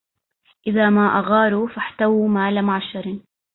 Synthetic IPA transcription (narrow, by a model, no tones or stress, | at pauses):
ʔɪðamaʔaɣɑːɾufaħt̪awmaːlamʊʕaʃɑɾˤɪn